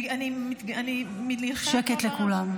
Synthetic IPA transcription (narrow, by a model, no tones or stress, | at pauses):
animit̪animiniχʃɛket̪lekulam